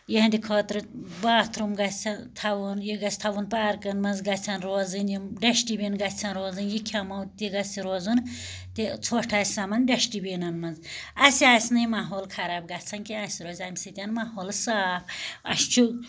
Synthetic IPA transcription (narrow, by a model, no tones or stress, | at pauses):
jeɦnd̪ʲikʰoːt̪ɾɨbaːt̪ʰɾumɡɐt͡sʰʲɐnt̪ʰɐʋunjiɡɐsʰʲt̪ʰɐʋunpaːɾkɐnmɐnzɡɐt͡sʲʰɐnɾoːzɨnjiɖeʃʈibinɡɐt͡sʰɐnɾoːzɨnjikʲʰamɐwt̪iɡɐsʲiɾoːzun | t̪it͡sʰoːʈʰaːsʲsɐmɐnɖeʃʈibinɐnmɐnzɐsiaːsʲnɨjimaɦoːlkʰɐɾaːb̚ɡɐt͡sʰɐnkiasʲiɾoːzʲamʲisɨt̪ʲanmaːɦoːlsaːpɐ̰ʃt͡ʃʰu